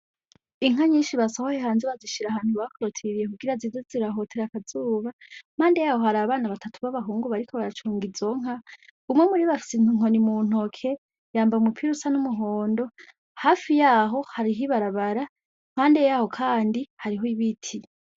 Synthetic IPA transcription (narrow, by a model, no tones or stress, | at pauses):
iŋaɲiːnʃiβasahohehaːnzeβaziʃiɾaɦaːn̥huβakoɾotʰiɾije̞kuɡiɾaziːzoziɾaɦo̞tʰeɾakazuːβam̥aːndejaːho̞haɾaːβaːnaβatʰatuβaβaɦuːŋɡuβaɾikoβaɾat͡ʃuːŋɡizo̞ŋ̥aumŋe̞muɾiβafi̥sin̥uŋo̞nimuːn̥o̞kʰe̞ | jaːmbaumupʰiɾusanumuɦoːndo̞ | haːfijaːɦo̞haɾiɦiβaɾaβaɾa | m̥haːndejaːho̞kʰaːndihaɾiɦoiβitʰi